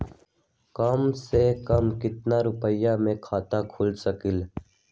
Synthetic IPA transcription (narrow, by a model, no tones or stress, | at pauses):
kaːmseːkəmkɪt̪naːɾʊpəjaːmẽːkʰaːt̪aːkʰʊlsəkɪl